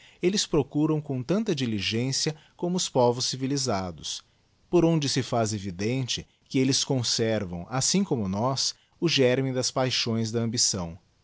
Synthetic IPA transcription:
elɪspɾokuɾɐ̃w̃kõt̪ɐ̃nt̪ɐd͡ʒiliʒẽsiɐkõmʊʊspɔvʊsːivilizad̪ʊs | poɾõnd͡ʒɪsɪfazevid̪ẽnt͡ʃɪ | kɪelɪskõsɛɾvɐ̃w̃asĩkõmʊnɔs | ʊʒɛɾmĩd̪ɐspajʃõj̃zd̪ɐɐ̃bisɐ̰̃w̃

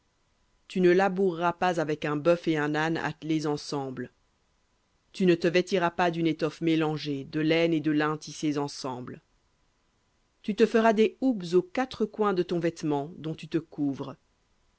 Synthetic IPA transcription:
t̪ynəlabuʁːapazavɛkɛ̃bœfeɛ̃nana̰t̪lezɑ̃sɑ̃bl | t̪ynət̪əvɛt̪iʁapad̪ynet̪ɔfmelɑ̃ʒed̪əlɛned̪əlɛ̃t̪isezɑ̃sɑ̃bl | t̪yt̪əfəʁad̪eubzokat̪χəkwɛ̃d̪ət̪ɔ̃vɛt̪mɑ̃d̪ɔ̃t̪yt̪əkuvʁ

